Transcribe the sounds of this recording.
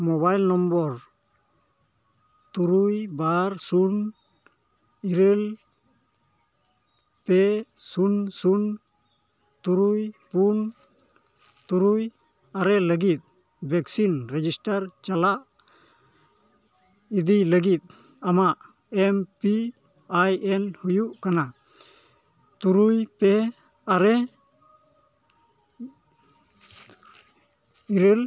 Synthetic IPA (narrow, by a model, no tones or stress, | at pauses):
mɔβajlnɔmbɔɾ | t̪uɾujbaɾsun | iɾel | pesunsun | t̪uɾujpun | t̪uɾuj | aɾɛləɡit̪̚ | bɛksinɾed͡ʒistaɾt͡ʃalaʔ | id̪iləɡit̪̚ | amaʔ | empi | ajenhujuʔkana | t̪uɾujpe | aɾe | iɾel